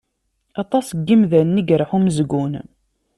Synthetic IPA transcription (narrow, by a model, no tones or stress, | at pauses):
ɑt̪ˤɑsɡːimðænːiɡɾˤħuməzɡun